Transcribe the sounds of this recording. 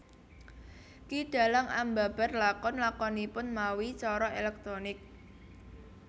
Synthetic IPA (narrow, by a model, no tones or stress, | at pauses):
kiɖ̥a̤laŋamba̤b̥a̤rlakɔnlakɔnipʊnmawit͡ʃɔɾɔelɛk̚t̪ɾonɪk̚